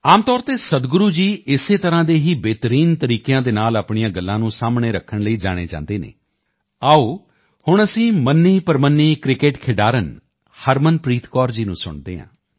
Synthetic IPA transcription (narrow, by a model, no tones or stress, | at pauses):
aːmt̪ɔːɾt̪eːsəd̪ɡʊɾuːd͡ʒiːɪseːt̪əɾãːd̪eːɦiːbeːt̪əɾiːnt̪əɾiːkejãːd̪eːnaːlaːpɳijãːɡəlːãːnũːsaːmɳeːɾəkʰːəɳləiːd͡ʒa̰ːɽ̃ḛːd͡ʒã̰ːnd̪eːnḛː | aːoː | hʊɳəsĩːmənːiːpəɾmənːiːkɾɪkeːʈkʰɪɖaːɾən | həɾmənpɾiːt̪kɔːɾd͡ʒiːnṵ̃ːsʊ̰ɳd̪ḛːɦã̰ː